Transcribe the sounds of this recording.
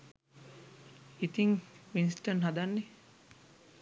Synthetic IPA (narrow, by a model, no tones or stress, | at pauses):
it̪iŋʋinsʈənɦad̪anːe